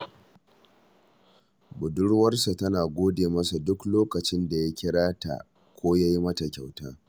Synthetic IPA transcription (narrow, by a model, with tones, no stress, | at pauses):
bʊ˨dʊ˦ɽwɐ˦rsa˨tɐ˦naː˨ɡʷoː˦deː˨mɐ˦sa˨dʊ˦kloː˦kɐ˨t͡ʃɪ˦nda˨ja˦kʲɪ˦ɽaː˦ta̰˨ | kʷʰoː˦ja˦ji˦mɐ˦ta˨kʲa˨wta̰ː˦